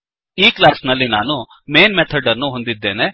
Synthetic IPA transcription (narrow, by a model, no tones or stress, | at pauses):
iːklaːsnɐlːinaːnu | meːnmet̪ʰɐɾɖɐɾnuɦo̞nd̪id̪ːe̞ːne̞